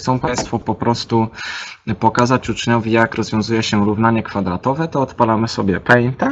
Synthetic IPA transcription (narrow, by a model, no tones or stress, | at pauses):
t̪sɔ̃w̃paj̃st̪fɔpɔpɾɔst̪u | pɔkazat͡ɕut͡ʂɲɔvʲijakɾɔzvʲjɔ̃w̃zujɛɕɛɾuvn̪aɲɛkfad̪ɾat̪ɔvɛt̪ɔːt̪palamɘsɔbʲjɛpɛjɲt̪a